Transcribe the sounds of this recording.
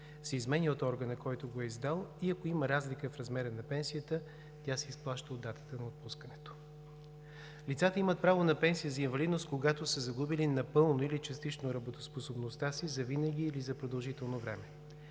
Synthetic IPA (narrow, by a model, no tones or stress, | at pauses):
sɛizmɛnʲiot̪ɔɾɡənəkɔjt̪oɡoɛizd̪alˠiɐkoiməɾazlikəfɾɐzmɛɾənɐpɛnsijət̪ə | t̪ʲasɛisplˠaʃt̪əod̪ːat̪ə̥t̪ənɐot̪̚puskənɛt̪o̥ | lit̪sat̪əimət̪̚pɾavonɐpɛnsijəzɐinvɐlid̪nost̪koɡat̪osəzɐɡubilinɐpɤlˠnoilit͡ʃɐst̪it͡ʃnoɾɐbot̪osposobnost̪asizɐvinəɡʲiːlizɐpɾod̪ɐlˠʒit̪ɛlˠnovɾɛmɛ